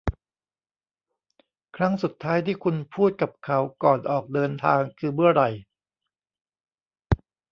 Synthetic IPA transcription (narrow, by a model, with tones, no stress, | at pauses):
kʰɾa˦˥ŋsu˨˩t̪ʰːaː˦˥jt̪ʰiː˥˩kʰu˧npʰuː˥˩t̪̚ka˨˩p̚kʰa˦˥wkɔː˨˩nʔɔː˨˩k̚dɤː˧nt̪ʰaː˧ŋkʰɯː˧mɯ˥˩ɐɾa˨˩j